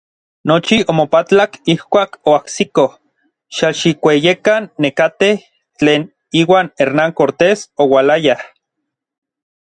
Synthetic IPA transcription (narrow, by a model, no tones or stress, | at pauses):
not͡ʃiʔomopat͡ɬakihkʷaːkoaksikoh | ʃaʃikʷejekanːekat̪eh | t͡ɬeːn | iːwaːneɾnaŋkoɾt̪eːsowalajah